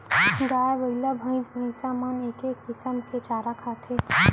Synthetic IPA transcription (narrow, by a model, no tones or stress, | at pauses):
ɡ̪aːabəɡlabʱə̃ɪ̃sbʱə̃ɪ̃saːmaneːkekːɪsəmkʰet͡ʃaɾakʰat̪ʰe